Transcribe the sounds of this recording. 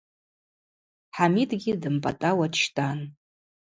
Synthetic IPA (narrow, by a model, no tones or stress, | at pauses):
ħamitʼɡʲidɨmpʼa̰tʼawaʃtʼan